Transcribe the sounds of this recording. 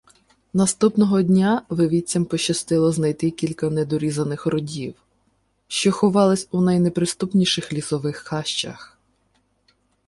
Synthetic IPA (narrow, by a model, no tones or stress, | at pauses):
nɐst̪upnɔɦɔdʲnʲaʋeʋʲit͡sʲɐmpɔʃɐst̪ɪlˠɔznɐjt̪ɪkʲilʲkɐnɛd̪ɔɾʲizɐnɪxɾɔdʲiw | ʃt͡ʃɔxɔʋɑlˠɪsʲunɐjnɛpɾɪst̪upnʲiʃɪxlʲisɔʋɪxːɑʃt͡ʃɐ̰x